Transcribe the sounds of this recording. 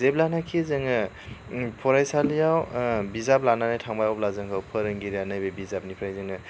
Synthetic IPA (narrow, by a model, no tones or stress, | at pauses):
zep̚lanakʰizɯŋɯ | pʰɔɾajsalijawbizap̚lananajtʰaŋbajawp̚lazɯŋkʰawpʰɯɾɯŋɡiɾijanajbebizap̚nipʰɾajzɯŋɯ